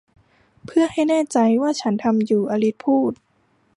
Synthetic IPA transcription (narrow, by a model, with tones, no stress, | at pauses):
pʰɯ˥˩ɐha˥˩jnɛː˥˩t͡ɕa˧jwaː˥˩t͡ɕʰa˦˥nt̪ʰa˧mjuː˨˩ʔa˧li˧˦˥t̪̚pʰuː˥˩t̪̚